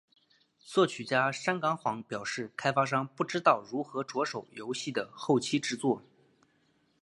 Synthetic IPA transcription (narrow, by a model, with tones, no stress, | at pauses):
swɤ˥˩t͡ɕʰy˨˩t͡ɕja˥ʂa˥nkɑ˧˥ŋxwɑ˧˥ŋpjɑ˨˩ʊʂɻ̩˥˩kʰa˥ɪfa˥ʂ̬ɑ˥ŋpu˥˩ʈ͡ʂɻ̩˥t̪ɑ˥˩ʊɻu˧˥xɤ˧˥ʈ͡ʂwɔ˧˥ʂo˨˩ʊjo˧˥ʊɕi˥˩d̪ə˩xo˥˩ʊt͡ɕʰi˥ʈ͡ʂɻ̩˥t͡swɔ˥˩